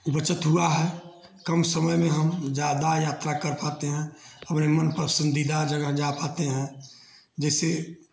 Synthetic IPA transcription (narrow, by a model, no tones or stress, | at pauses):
ʊbət͡ʃət̪ɦuaɦɛ | kəmsəməjmẽɦəmd͡ʒjaːd̪ajaːt̪ɾakəɾpaːt̪eɦɛ̃əpnemənpəɾəsə̃nd̪id̪ad͡ʒəɡəɦd͡ʒapat̪eɦɛ̃ | d͡ʒɛːse